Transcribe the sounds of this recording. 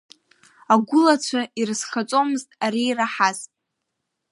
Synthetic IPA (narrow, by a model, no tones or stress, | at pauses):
aɡʷʊlat͡ɕʷʰairɨsχat͡sʷʼomɨztʼaɾiːraħaztʼ